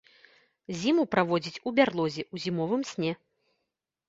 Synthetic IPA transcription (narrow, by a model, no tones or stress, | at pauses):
zʲimupɾavɔd͡zʲit͡sʲubʲarlˠɔzʲɛuzʲimɔvɨmsʲnʲɛ